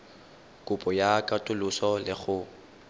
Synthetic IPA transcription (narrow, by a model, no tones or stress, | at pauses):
kʼʊpʼɔjakʼatʼʊlʊsɔlɪɣʊ